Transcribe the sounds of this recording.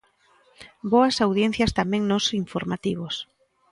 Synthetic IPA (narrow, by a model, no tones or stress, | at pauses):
boɐsawðjɛn̟θjɐst̪amɛ̃ŋnosiɱfoɾmat̪iβos